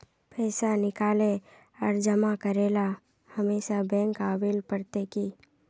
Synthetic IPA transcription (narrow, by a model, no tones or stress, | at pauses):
pɛːsanɪkaːle | ɔːɾd͡ʒəmakəɾeːla | həmeːʃabɛ̃ːŋkaəbeːlpəɾt̪eki